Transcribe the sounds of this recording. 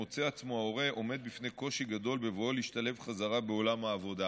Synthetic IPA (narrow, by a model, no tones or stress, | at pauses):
ot͡seat͡smo̞ao̞ʁe̞ʔo̞me̞d̪̚bifne̞jko̞ʃiɡad̪o̞lbe̞vooliʃt̪ale̞vχazaʁabe̞o̞lamhaːvo̞d̪a